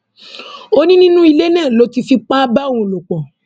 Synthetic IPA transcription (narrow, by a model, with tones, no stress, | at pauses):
o˦nĩ˦nĩ˦nũ˦i˧le˦nɛ̃ː˦˨lo˨˦ti˧fi˧k͡pa˦ba˦˨˦ũ˧˨lo˨k͡pɔ̃˨